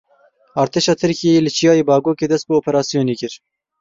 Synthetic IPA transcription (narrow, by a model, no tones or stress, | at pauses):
ɑːɾt̪ʰeːʃɑːt̪ʰɨɾkijejelɨt͡ʃʰijɑːjeːbɑːɡoːkeːd̪ɛst̪̚bɨoːpʰɛɾɑːsijoːneːkɨɾ